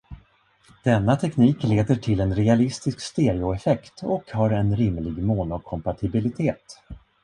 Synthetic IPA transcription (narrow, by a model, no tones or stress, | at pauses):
d̪̥ɛnːat̪ʰɛkniːkleːd̪əʈʰɪlɛnɾɛalɪst̪ɪskst̪eːɾɪʊɛfɛkt̪ɔkhaɾɛnɾɪmlɪɡmoːnʊkʰɔmpaʈ̪ʰɪbɪlɪt̪ʰeːt̪